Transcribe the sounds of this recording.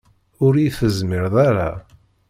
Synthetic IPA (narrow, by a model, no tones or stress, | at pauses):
ʊɾijθəzmɪɾðˤaɾa